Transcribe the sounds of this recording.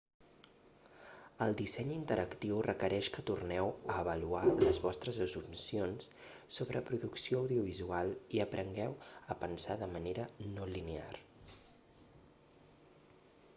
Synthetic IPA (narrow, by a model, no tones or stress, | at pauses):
əlˠd̪isɛɲint̪əɾʔəkt̪iwrəkəɾɛʃkət̪urnɛwəːβəlualəzβɔst̪ɾəzəzumsionsː | oβɾəpɾuðuksioəwðiuβ̞izualˠiəpɾʔəŋɡɛwəpənsaðəməneɾənolinea̰r